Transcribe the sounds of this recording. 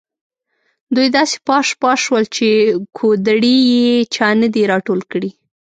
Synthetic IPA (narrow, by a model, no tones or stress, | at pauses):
d̪ujd̪ɑse̥pɑʃpɑʃwəlt͡ʃekʰod̪aɽijet͡ʃɑnəd̪iɾɑʈolkɽi